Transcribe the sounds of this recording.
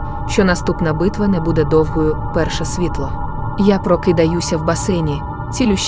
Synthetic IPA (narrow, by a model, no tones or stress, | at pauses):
ʃt͡ʃɔnɐst̪upnɐbɪt̪ʋɐnɛbud̪ɛd̪ɔwɦɔjʊpɛrʃɛsʲʋʲit̪lˠɔ | japɾɔkɪd̪ɐjusʲɐwbɐsɛnʲi | t͡sʲilʲʊʃ